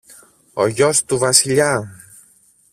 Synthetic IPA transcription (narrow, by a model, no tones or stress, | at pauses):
oʝost̪uvɐsiʎɐ